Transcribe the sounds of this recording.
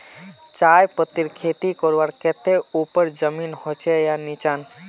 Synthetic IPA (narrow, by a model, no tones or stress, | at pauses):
t͡ʃajpət̪iɾkʰet̪ikɔɾʋaɽkɛt̪eupəɾd͡ʒəminhot͡ʃʰɛjanit͡ʃan